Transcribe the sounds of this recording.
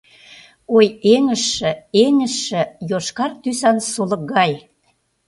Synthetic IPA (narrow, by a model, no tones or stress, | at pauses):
ojeŋə̆ʃːə̆eŋə̆ʃːə̆joʃkɑrt̪ysɑnsolɤ̆k̚ɣɑj